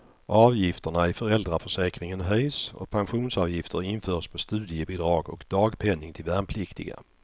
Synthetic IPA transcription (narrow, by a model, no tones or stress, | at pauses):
ʔɑːvjɪft̪əɳaɪfœɾɛld̪ɾafœʂɛːkɾɪŋənɦœjsɔ̰pʰanɧuːnsɑːvjɪft̪əɾɪnføːʂpʰɔst̪ʉ̟ːd̪ɪjəbɪd̪ɾɑːɡɔkd̪̥ɑːɡpʰɛnːɪŋt̪ʰɪlvæɾmpʰlɪkt̪ɪɡa̰